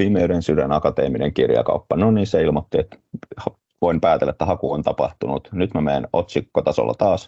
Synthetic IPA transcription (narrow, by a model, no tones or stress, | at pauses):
iːmeyɾensydænɑkɑt̪ḛːmineŋkirjɑ̰kɑ̰upːɑnoniːnseilmot̪ːiet̪h | ʋoimpæːt̪elːæet̪ːæhɑkuont̪ɑpɑ̰ht̪unut̪nyt̪mæmeːnot̪sikːot̪ɑso̰lːɑ̰t̪ɑːs